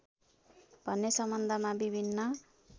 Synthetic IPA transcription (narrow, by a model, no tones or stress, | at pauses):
b̥ʱʌnːesʌmʌnd̪ʱʌmabibʱinːʌ